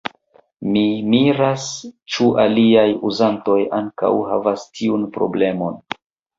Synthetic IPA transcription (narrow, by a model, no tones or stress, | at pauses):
mimiɾast͡ʃuʔaliajuzanto̞jaŋka̰wɦa̰vastʰiunpɾo̞̰ble̞mo̞n